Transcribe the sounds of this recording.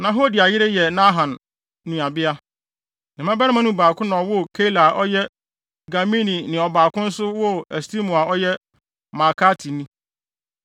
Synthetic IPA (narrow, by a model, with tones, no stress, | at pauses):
nã˨ɦo˦di˨a˨jɪ˦ɾe˦jɛ˨nã˦ɦã˨n | nũ˨a˨bɪ˦a˦ | nã˨mã˦ba˦mã˦nũ˦baː˨kʰʊ̃˦nã˨wʊ˦˨kʰe˦la˨ʔɔ˦jɛ˦ | ɡa˨mĩ˦nĩ˨nɪ̃˨ɔ˨baː˨kʊ̃˦n̩˦sʊ˦wɔ˦ɛ˨sti˦mũ˨a˨ɔ˦jɛ˦ | ma˨kʰa˦tʰi˨nĩ˦